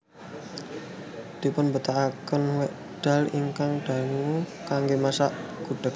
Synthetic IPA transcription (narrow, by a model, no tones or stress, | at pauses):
d̪̥i̤pʊnbət̪aʔakənwɛʔ | ɖ̥a̤lḭŋkaŋɖ̥a̤ŋukaŋɡemasaʔɡ̥ṳɖ̥ə̤k̚